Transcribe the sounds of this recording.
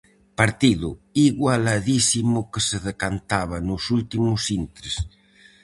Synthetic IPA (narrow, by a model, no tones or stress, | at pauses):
paɾt̪iðuiɣwalaðisimukeseðekant̪aβ̞anusult̪imusint̪ɾes